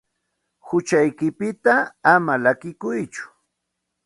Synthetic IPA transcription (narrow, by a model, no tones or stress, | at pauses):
hʊt͡ʃajkɪpɪt̪aːmalakɪkʊjt͡ʃʊ̥